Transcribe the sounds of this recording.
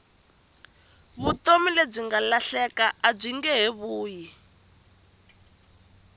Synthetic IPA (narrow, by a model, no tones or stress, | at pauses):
βutomileb͡ʐiŋɡalaɬɛkaab͡ʐʷiŋɡɛɦeβuːji